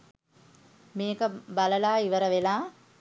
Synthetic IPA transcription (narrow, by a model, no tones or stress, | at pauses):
meːkəbaləlaːiʋəɾəʋelaː